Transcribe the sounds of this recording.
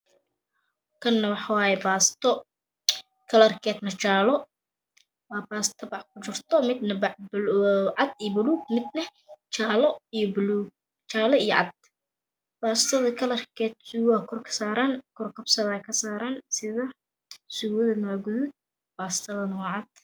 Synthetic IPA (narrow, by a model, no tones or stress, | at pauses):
kʰɐnːɐwɑħɑwaːjɛbaːst̪ʰɔ | kʰɐlɐrkʰɛːt̪nɐt͡ʃaːlɔ | waːbaːst̪ʰɐbɑħkʰʊt͡ʃɪrt̪ʰɔmɪd̪nɐbbʕɑd̪ijɔbʊluːɡ̚mɪd̪nɐ | t͡ʃaːlɔijɔbluːɡ̚ | t͡ʃaːlɔijɔʕɑd̪̚ | b̥aːst̪ʰɐðɐkʰɐlɐrkʰɛːt̪̚suwkʰɔrkʰɐ̥saːɾaːnkʰɔrkʰɐbsɐðɐːjkʰɐsaːɾaːnsɪðɐ | suwɐðɐnaːɡʊðʊd̪̚ | baːst̪ʰɐðɐnɐwaʕɑd̪̥